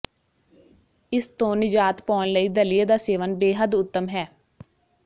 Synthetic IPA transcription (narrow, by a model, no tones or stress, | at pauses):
ɪst̪õːnɪd͡ʒaːt̪pɔːnləiːd̪əlɪjeːd̪aːseːʋənbeːɦəd̪ʊt̪ːəmɦɛː